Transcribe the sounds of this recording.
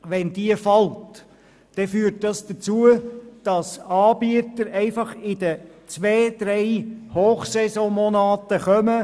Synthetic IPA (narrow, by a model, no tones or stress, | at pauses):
ʋɛnd̥iəfɑlt | d̥ɛfyːt̚dɑsd̥̪ət͡suəd̥ɑsɑːbiətəɾɛɪfɑχɪd̥ət͡sʋeːd̥̪ɾɛɪhoːχsɛsɔ̃mɔnɑːtəχœmə